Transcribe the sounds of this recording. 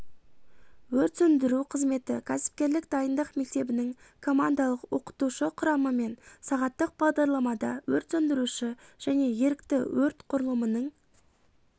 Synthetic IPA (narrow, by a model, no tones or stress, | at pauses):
wɵɾt̪sʏnd̪ɪɾuqʰəzme̞t̪ɪkʲʰæsɪ̥p̚kʲe̞ɾlɪk̚d̪ɑjənd̪əqme̞k̚t̪e̞bɪnɪŋ | kʰo̞mand̪ɑlˠəqwo̞qə̥t̪uʃəqʰʊɾɑməme̞nsɑʁɑt̪ːəq̚b̥ɑʁd̪ɑɾlˠɑmɑd̪ɑ̰wɵɾt̪sɵnd̪ɪɾuʃɪʒ̥æne̞je̞ɾɪk̚t̪ɪwɵɾt̪qʰʊɾəlˠəmənəɴ